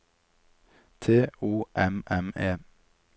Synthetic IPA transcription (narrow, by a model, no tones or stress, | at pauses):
t̪ʰeːuːʔɛmʔɛmeː